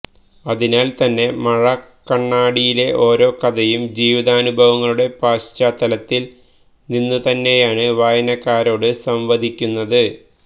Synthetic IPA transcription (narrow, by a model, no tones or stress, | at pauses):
ɐðinaːlt̪ɐnːe̞mɐɻɐkːɐɳːaːɽijile̞ʔo̞ːɾo̞ːkɐd̪ɐjumd͡ʑiːʋiðaːnubʱɐʋɐŋːɐɭuɽe̞paːɕt͡ɕaːt̪ːɐlɐt̪ːil | ninːɨt̪ɐnːe̞jaːɳɨʋaːjɐnɐkːaːɾo̞ːɽɨsɐmʋɐd̪ʱikʲːunːɐðɨ